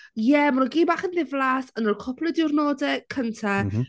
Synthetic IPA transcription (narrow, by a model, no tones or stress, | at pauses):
jɛmaɾɔɡiːbaːχənðɪvlˠaːsənɔrkʰɔpʰlˠɛdɪwrnɔːdɛkʰəntʰa